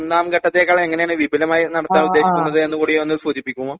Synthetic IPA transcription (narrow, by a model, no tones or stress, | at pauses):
naːmɡɐʈːɐt̪ːekːaːɭɐme̞ŋːɐnejaːɳɨʋibʱilɐmaːjinɐɽɐt̪ːaːnud̪ːe̞ːɕi̥kʲːunːɐðɨenːɨkuːɽijmenːilsuːd͡ʑipːikʲːumoː